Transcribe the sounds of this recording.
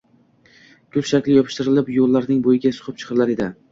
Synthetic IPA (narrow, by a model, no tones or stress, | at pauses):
ɡ̥ʰʊlʃakʲlɪjɒpʰɪ̥ʃt̪ɪɾɪlɪpjolˠːaɾnɪŋbojɪɡʲasʊ̥χɨp̚t͡ʃʰɨ̥qʰɨɾlaɾed̪ɪ